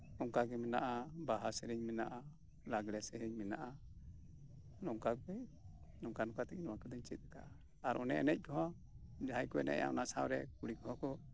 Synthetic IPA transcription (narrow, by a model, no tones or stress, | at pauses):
ɔŋkaɡɛmɛna̰ʔabaɦasɛɾɛɲmɛnaʔa | laɡɽɛsɛɾɛɲmɛnaʔa | nɔŋkakɛ | nɔŋkanɔkat̪ɛc̚nɔwakɔd̪ɔɲt͡ʃɛt̪̚ɾɛka̰ʔaː | ɾʔɔnɛɛ̰nɛc̚ˀkɔɦɔ̃ | d͡ʒaɦajkɔɛ̰nɛ̰ʔa̰ɔ̰nasawɾɛkuɽikɔɦɔ̃kɔ